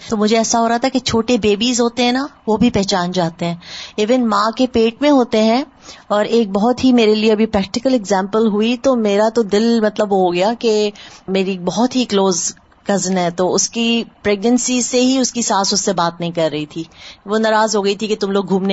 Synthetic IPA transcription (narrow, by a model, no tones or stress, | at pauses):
t̪oːmʊd͡ʒʱeɛːsaɦoːɾaɦat̪ʰaket͡ʃʰoːʈebeːbiːzɦoːt̪eɦɛ̃naʋobʱipɛɦt͡ʃaːnd͡ʒaːt̪eɦɛ̃ːiːʋɪnmãːkepeːʈ̚mẽɦoːt̪eɦɛ̃ | ɔːɾeːk̚bɔɦʊt̪ɦimeːɾelieɐbʱipɾɛːk̚ʈɪkəlɛɡzɛ̃ːmpəlɦuit̪omeːɾat̪od̪ɪlmɐt̪ləbʋoɦoɡɐjakemeːɾik̚bɔɦɔt̪ɦikloːz | ɡɐznɦɛːt̪oːʊskipɾeːɡnə̃nsizseɦiʊskisaːsʊsːebaːt̪nɐɦĩkɐɾːɐɦit̪ʰiːʋoːnaːɾaːzɦoːɡɐit̪ʰiket̪ʊmloːɡ̚ɡʱũːmne